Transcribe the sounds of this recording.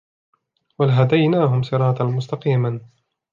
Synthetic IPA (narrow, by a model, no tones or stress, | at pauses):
walɦad̪ajnaːɦʊmsˤɨɾˤɑːt̪ɑnmʊst̪ɑqiːma